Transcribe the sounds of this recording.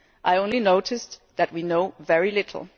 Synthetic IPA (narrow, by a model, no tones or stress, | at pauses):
ʔaɪõʊ̃nlinoʊɾɨsðɨt̚winoʊvɛɹilɪɾʰl̩ˠ